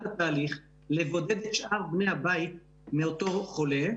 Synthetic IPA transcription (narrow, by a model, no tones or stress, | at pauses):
tat̪aːliχ | levo̞d̪e̞d̪et̪ʃʔaʁbne̞jhabait̪̚ | meot̪o̞χo̞le̞